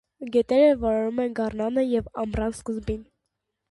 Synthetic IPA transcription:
ɡɛt̪ɛɾəvɑɾɑɾumɛnɡɑrnɑnəjɛvɑmrɑnskəzbin

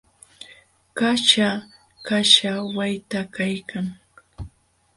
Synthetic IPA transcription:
kat͡ʃa | kaʃawajt̪akajkʰaŋ

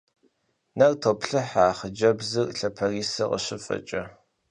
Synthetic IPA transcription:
nɐrtʰoːpɬɨħaːχəd͡ʒɐbzɨrɬɐpʰɐriːsɐqʼə̰ɕɪfɐ̰t͡ʃʼɐ

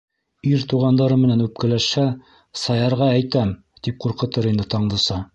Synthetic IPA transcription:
iɾt̪uʁɑnd̪ɑɾɤmɘ̆nænʉp̚kɘ̆læʃhæ | sɑjɑɾʁɑæjt̪æm | t̪ip̚quɾqɤ̆t̪ɤɾind̪ɘt̪ɑɴd̪ɤ̆sɑ

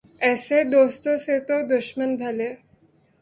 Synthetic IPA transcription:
ɛsed̪ost̪oset̪od̪uɕmənd͡zʱale

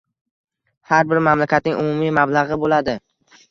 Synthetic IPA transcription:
haɾbɪɾmamlakʲʰat̪nɪŋʔʊmʊmimablˠaʁɨbolad̪ɪ

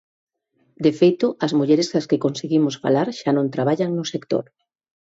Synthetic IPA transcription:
d̪efejt̪ʊɐzmuʎeɾesaskekonseɣimʊsfa̰laɾʃanõnt̪ɾaβ̞aʎaŋnʊsekt̪o̰ɾ

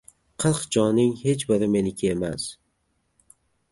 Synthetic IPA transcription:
qʰɨlˠqd͡ʒɒnɪŋhe̞t͡ʃbɪɾɪme̞nɪkʲʰɪema̰s

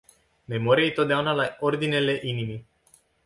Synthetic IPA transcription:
me̞mo̞ɾʲiejet̪o̞t̪̚d̪eaunalao̞rd̪ine̞le̞ʔinimi

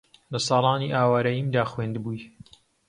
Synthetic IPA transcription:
lɐsɑːlˠɑːniʔaːwaːɾɐjiːmd̪aːxweːnd̪buːj

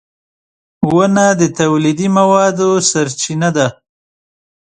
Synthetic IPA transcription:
wənad̪ət̪awlid̪imawɑd̪osaɾt͡ʃinad̪a

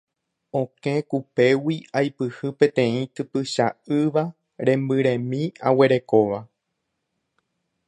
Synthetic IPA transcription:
õkẽ̞kupe̞wiajpɨhɨpẽ̞t̪ẽ̞ĩt̪ɨpɨʃaɨʋa | ɾẽ̞mbɨɾẽ̞mĩa̰we̞ɾe̞ko̞ʋa

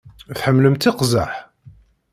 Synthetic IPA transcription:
θħəmːləmt̪ɪqza̰ħ

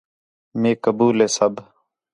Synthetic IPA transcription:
meːkəbuːleːsəb

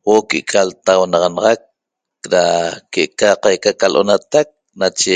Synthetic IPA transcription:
wokeʔkʰalt̪awnɑʁɑnɑʁɑk̚ | ɾakeʔkaqajkakalʔo̰nat̪ak̚ | nat͡ʃe

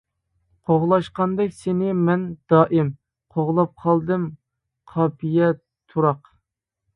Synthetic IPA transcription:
qʰoʁlˠɑʃqɑnd̪ɛkʲsɪnɪmɛnd̪̥ɑːʔɪm | qʰoʁlˠɑp̚qʰɑlˠd̪ɨm | qʰɑːpʰijɛ | t̪ʰuɾɑq

